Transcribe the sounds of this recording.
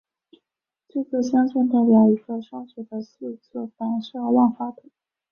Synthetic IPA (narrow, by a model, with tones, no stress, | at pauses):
t͡se˥˧t͡sɤ˥˩ɕjɑ˥ŋt͡ɕɛ˥˧nt̪a˥˩ɪpjɑ˧˥ʊi˧˥ɡɤ˥˧˩ʂa˥t͡ɕɛ˨˩d̪ə˧su˥˧t͡sɔ˥˩t̪a˨˧˥nʂ̩˥˧˥wɑ˥˩nfa˥t̪ʰi˨˩˦